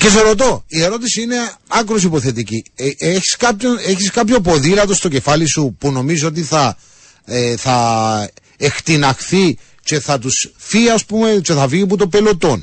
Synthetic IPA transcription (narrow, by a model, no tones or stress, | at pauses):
ces̬oɾot̪o̞ie̞ɾo̞t̪isiine̞ɐkɾos̬ipo̞θe̞t̪icieçi̥skɐpçoneçiskɐpço̞p̬o̞ðilɐt̪o̞st̪o̞ce̞fɐlisupuno̞mizoo̞t̪̬iθɐ | eθɐ | ext̪inɐxθi | t͡ʃe̞θɐt̪usfiɐspume̞t͡ʃe̞θɐviput̪opelo̞t̪o̞n